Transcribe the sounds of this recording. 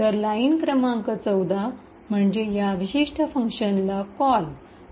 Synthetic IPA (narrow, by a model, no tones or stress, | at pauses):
t̪əɾlainkɾəmãŋkət͡səwd̪a | m̤əɳd͡ʑejaʋiɕiʂʈʰəfəŋkɕənlakɔl